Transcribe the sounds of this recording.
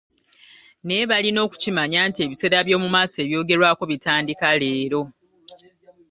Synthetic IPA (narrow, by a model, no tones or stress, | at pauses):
ne̞βalino̞ːku̥cimaɲaːntie̞βise̞ːɾaβjo̞ːmumaːsoe̞ːβjo̞ːɡe̞ɾwaːko̞βitaːndikale̞ːɾo̞